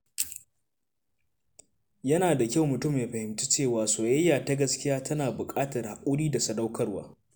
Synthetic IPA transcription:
jɐ˦naː˨da˨kʲa˦wmʊ˨tʊ˦mja˨ɸɐ˨hɪ˨mtu˦t͡ʃeː˦˨waː˨soː˨jɐ˦jːaː˨ta˦ɡɐ˦skʲɪ˦jaː˦tɐ˦naː˨bʊ˨kʼaː˦tɐ˨rha˨ʔʷʼʊ˦ɽiː˦da˨sɐ˦da˦wkʰɐ˦rwa̰ː˦

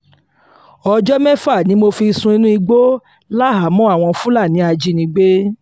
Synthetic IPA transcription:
ɔ˧d͡ʒɔ˦mɛ̃˦fa˦˨nĩ˨˦mo˧fi˧sũ˧i˧˦nũ˦i˧ɡ͡bo˦ | la˦ɦa˨˦mɔ̃˦a˦˨w̃ɔ̃˧fũ˦la˦˨nĩ˨˦a˧d͡ʒi˧nĩ˧ɡ͡be˦

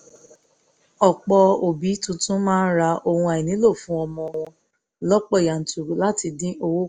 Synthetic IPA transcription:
ɔ˨k͡pɔ˧o˨bi˨˦tũ˦tũ˦mãː˦n̩˦ɾa˧o˧hũ˧a˨i˨nĩ˨˦lo˦˨fũ˦ɔ˧mɔ̃˧w̃ɔ̃˧ | lɔ˦k͡pɔ˦˨ja˨n̩˨tʰu˨la˦ti˧dĩ˦ʔo˧wo˦

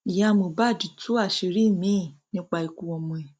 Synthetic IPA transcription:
i˨jã˦˧mo˨ba˦˨d͡ʒi˨˦tu˦a˦˨ʃe˨˧ɾi˦˨mĩ˦˨nĩ˦k͡pa˧i˧ku˧˦wɔ˧mũ˧˨ɛ˨

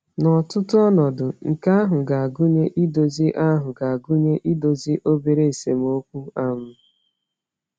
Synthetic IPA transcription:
nɔ˨tʊ˦tʊ˦ɔ˦nɔ˨dʊ˨ŋ̩˨ka˦a˦ɦʊ˨ɡa˨a˨ɡu˦ɲe˦ʔi˦do˨zi˦ʔa˦ɦʊ˨ɡa˨a˨ɡu˦ɲe˦ʔi˦do˨zi˦ʔo˦be˨ɾe˦e˨se˨m˦o˦kʷu˦a˦mʊ˦

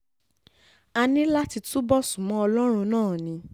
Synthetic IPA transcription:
a˧nĩ˦la˦ti˧tu˦bɔ˦˨su˨mɔ̃˨˦ɔ˧lɔ˦ɾ̃ũ˧nãː˦˨nĩ˨˦

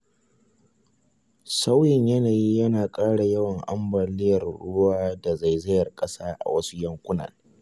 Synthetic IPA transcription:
sa˦wjɪ˨ɲjɐ˦naː˨jiː˦jɐ˦naː˨kʼaː˦ɽa˨jɐ˦wɐ˨ŋʔa˦mbɐː˨lɪ˦jɐ˨rɽʊ̰˦ʊ˦waː˦da˨za˨jzɪ˦jɐ˨rkʼɐ˦saː˦ʔa̰˨wɐ˦su˦jɐ˦ŋkʷʊ˦nɐ̰˨l

